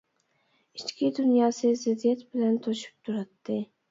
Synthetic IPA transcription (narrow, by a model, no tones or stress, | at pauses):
ɪt͡ʃkʲʰɪd̪ʊnjɑsɪzɪd̪ijat̪bɪlant̪ʰoʃɪ̥p̚t̪ʰʊɾat̪ːɪ